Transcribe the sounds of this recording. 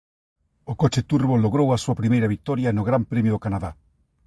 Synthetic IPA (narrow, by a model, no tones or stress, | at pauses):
okot͡ʃet̪uɾβoloɣɾowasuɐpɾimejɾaβik̚t̪ɔɾjanoɣɾampɾemjʊðokanaða